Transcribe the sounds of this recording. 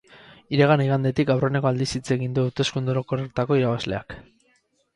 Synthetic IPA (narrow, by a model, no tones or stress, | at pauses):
iɾe̞ɣ̞aniɣ̞and̪e̞t̪ikawrone̞ko̞ald̪isit͡se̞ɣind̪uːwt̪e̞skund̪uɾokoreɾt̪ako̞iɾaβazle̞a̰k